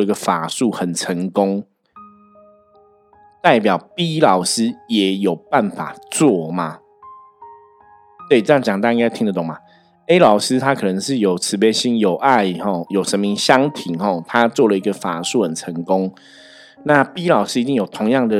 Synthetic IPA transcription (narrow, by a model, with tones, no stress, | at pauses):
i˧˥ɡə˧˨fa˨˩su˥˩˨xə˨˩nt͡sʰə˧˦ŋkʊ˦ŋ | t̪a˥˩ɪpjɑ˨˩ʊpi˥lɑ˨˩ʊsɹ̩˥jɛ˨˩jo˨˩ʊpa˥˩nfa̰˨˩t͡swɔ˥˩ma˩ | t̪we˥˩t͡sə˥jŋt͡ɕjɑ˨ŋt̪ɑ˥˧ĩ˥ŋka˥ɪt̪ʰi˥ŋd̪ə˨t̪ʊ˨˩ŋma˨ | e˥ɪlɑ˨˩ʊsɹ̩˦t̪ʰa˦˥kʰɤ˨˩nə˧˦ŋʂɻ̩˥˩jo˨˩ʊt͡sʰɹ̩˧˥pjɛ˥ɕi˥ŋjo˨˩ʊʔa˥˧ɪhɔ˥˩jo˨˩ʊʂə˧˦n˦i˧˥ŋɕjɑ˥ŋt̪ʰi˨˦ŋxɔ˥˩t̪ʰa˥˦t͡swɔ˥˨lə˨i˧˥ɡə˨fa˨˩su˥˩xə˨˩nt͡sʰə˧˥ŋkʊ˦ŋ | na˥˨pi˥lɑ˨˩ʊsɹ̩˥i˧t͡ɕ̪i˥˩ŋjo˨˩ʊt̪ʰʊ˧˥ŋjɑ˥˩ŋd̪ə˨